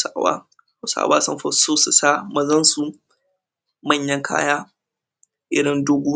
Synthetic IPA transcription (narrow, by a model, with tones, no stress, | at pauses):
sa˦wa̰ː˦ | hsa̰ː˨waː˦sɐ̰˦mfɐ˦˨˦soː˦su˨saː˦mɐ˨zɐ˦nsu˨ | mɐ˦˨ɲjɐ˦ŋkʰa̰ː˦jaː˦ | ʔɪ˦ɽɪ˦ndʊ˦ɡʷuː˦